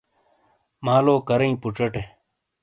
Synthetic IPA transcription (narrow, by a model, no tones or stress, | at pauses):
maːloːkɐɾɐĩpuʈ͡ʂɐʈe